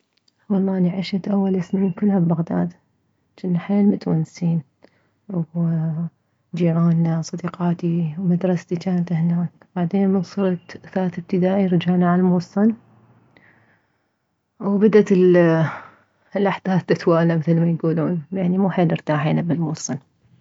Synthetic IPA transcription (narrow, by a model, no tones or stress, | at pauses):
wɑlˤːɑːniʕɪʃat̪ʔawːalɪsniːnkʊlːhabbaɣd̪aːd̪ | t͡ʃɪnːaħeːlmʊt̪wansiːn | w | d͡ʒiːʕaːnːasˤɑd̪iːqɑːt̪iwmad̪ɾˤɑst̪it͡ʃaːnat̪ɪhnaːk | b̥aʕd̪eːnmɪnsˤɨɾˤɑt̪θaːθɪb̚t̪ɪd̪aːʔiɾɪd͡ʒaʕnaʕalmʊsˤːɨn | wbad̪at̪ɪl | lʔaħd̪̥aːθːɪt̪waːlamɪθlmajɡuːluːnjaʕnimuːħeːlɪɾt̪aːħiːnabɪlmusˤɨn